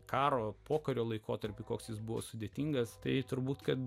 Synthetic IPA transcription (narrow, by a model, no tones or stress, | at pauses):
kɑːɾoːpoːkɐɾʲoːlˠɐɪkoːt̪ɐɾʲpʲɪkoːksjɪsbʊʋo̰ːsʊd̪ʲeːt̪ʲiːŋɡɐst̪ɐɪt̪ʊɾbuːt̪kɐt̪